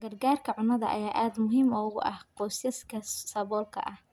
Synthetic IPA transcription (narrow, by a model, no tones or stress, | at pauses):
ɡɐrɡaːrkʰɐʕʊnɐðɐ̰ʔɐ̰jaːʔaːd̪mʊɦiːmɔːɣʊʔɐ̰hqɔːsɪskʰɐsɐβɔːlkʰɐ̰ʔɐh